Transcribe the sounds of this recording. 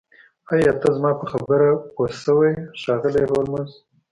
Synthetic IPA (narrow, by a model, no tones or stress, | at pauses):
ajɑt̪azmɑpəxabəɾaposəwejʃɑɣəleɦoɾmʊz